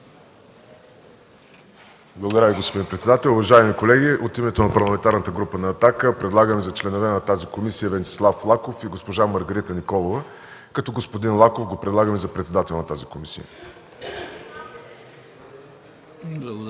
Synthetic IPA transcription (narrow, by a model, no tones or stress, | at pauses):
blˠəɡod̪əɾəviɡospod̪inpɾɛt̪sɛd̪at̪ɛlˠʊvɐʒaɛmikolɛɡʲiʔot̪imɛt̪onɐpɐɾlˠɐmɛnt̪aɾnət̪əɡɾupənɐːt̪akəpɾɛd̪lˠaɡəmizɐt͡ʃlɛnovɛnɐt̪azikomisijəvɛnt͡ʃɛ̥slˠaflˠakofiɡospoʒaməɾɡəɾit̪ənikɔlˠovə | kɐt̪ɔɡospod̪inlˠakofɡopɾɛd̪lˠaɡəmizɐpɾɛt̪sɛd̪at̪ɛlˠnɐt̪azikomisḭjə̰